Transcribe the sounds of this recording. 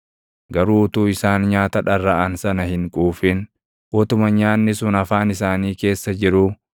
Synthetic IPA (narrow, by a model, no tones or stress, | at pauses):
ɡɐɾuːʊt̪uːɪsaːnɲaːt̪ɐᶑɐrːɐʔɐnsɐnɐhɪŋkʼuːfɪn | ʔɔt̪ʊmɐɲaːnːɪsʊnɐfaːnɪsaːniːke̞ːsːɐd͡ʒɪɾʊ